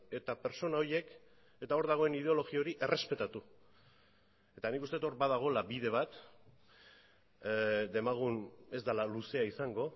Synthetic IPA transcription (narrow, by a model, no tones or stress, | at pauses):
e̞t̪ape̞ɾso̞nao̞ɾje̞k | e̞t̪ao̞ɾðaɣ̞o̞e̞nið̞e̞o̞lo̞ɣio̞ɾiʔe̞re̞spe̞t̪at̪u | e̞t̪anikust̪e̞t̪o̞ɾbaðaɣ̞o̞labiðe̞β̞at̪ | d̪e̞maɣ̞une̞zd̪alaluse̞aisaŋɡo̞